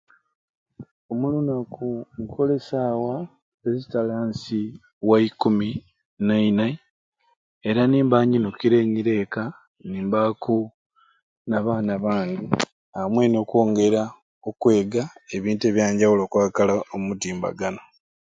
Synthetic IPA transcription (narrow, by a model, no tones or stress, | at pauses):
omulunakʰuŋkʰo̞le̞saːwa | ezitalaːnsi | waikumi | naina | eɾaniːmbaɲinukiɾe̞ːɲiɾe̞ːka | niːmbaku | naβaːnaβaːɲɡi | amwe̞no̞ːkwoːŋɡe̞ɾa | okwe̞ːɡaeβiːnte̞ːβjaːɲɟawulo̞ːkwaːkalaomutiːmba̰ɡano